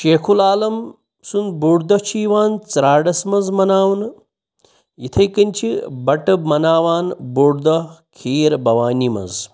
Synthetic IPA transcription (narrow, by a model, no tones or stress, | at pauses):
ʃeːkʰulaːlɐm | sunbuːɖd̪ɐt͡ʃʰiːʋaːnt͡sɾaːɖɐsmɐzmɐnaːʋn | jit̪ʰɐjkɐnʲt͡ʃʰibɐʈɐbmɐnaːʋaːnboːɽd̪ɐkʰiːɾbɐʋaːnʲimɐ̰z